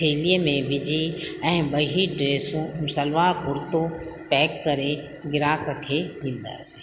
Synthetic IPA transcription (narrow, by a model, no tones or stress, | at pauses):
eːlijəmẽʋɪd͡ʑʱiɛ̃ːbɐɦiɖɾeːsũmʊsəlʋaːɾpʊɾt̪o | pɛːkːɐɾe | ɡɪɾaːkəkʰeːʋĩːnd̪a̰ːsɪ̥